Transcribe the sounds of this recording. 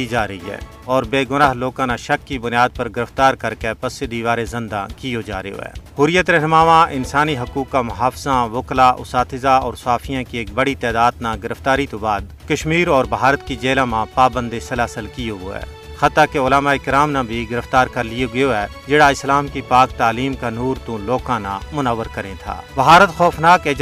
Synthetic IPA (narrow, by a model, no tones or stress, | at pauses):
id͡ʒaːɾɐɦiɦɛ̰ː | ɔːɾbeːɡʊnaːɦloːkãnaʃɐkːibʊnjaːd̪̚pɐɾɡɪɾəft̪aːɾkɐɾkepɐsɪd̪iʋaːɾezɪ̃nd̪a̰kijod͡ʒaːɾḛjo̰ɦɛ̰ːɦʊɾɪjət̪ɾɛɦnəmaːʋãʔɪnsaːniɦɐkuːkːamʊɦaːfzãʋʊklaʔʊ̰saːfʰɪzaɔ̰ːɾsaːfʰijãkieːk̚bɐɽit̪ɛːd̪aːd̪naɡɪɾəft̪aːɾit̪obaːd̪ | kɐʃmiːɾɔːɾbɦaːɾət̪kid͡ʒeːlamãpaːbə̃nd̪esɐlaːsəlkijoɡo̰ɛ̰ː | xɐt̪akeʊlaːmaːeɪkɾaːmnabʱiɡɪɾəft̪aːɾkɐɾlijoɡɐjoɦɛː | d͡ʒeɽaɪslaːmkipaːkt̪aːliːmkanuːɾt̪ũloːkaːna̰mʊnəʋːəɾkɐɾẽt̪ʰa̰ːbɦaːɾət̪xɔːfnaːkeːd͡ʒ